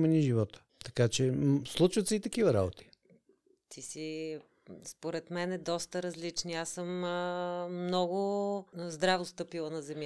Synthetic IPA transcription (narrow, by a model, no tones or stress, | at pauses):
mɛniʒivɔt̪ə̥t̪ɐ̥kat͡ʃɛslˠut͡ʃvət̪sɛit̪ɐkivəɾa̰bot̪ʰi̥ | t̪ʰisi | spoɾɛt̪mɛnɛd̪ɔst̪əɾɐzlit͡ʃniasɤmː | nɔɡʊzd̪ɾavost̪ɤpilˠənɐzɛmʲj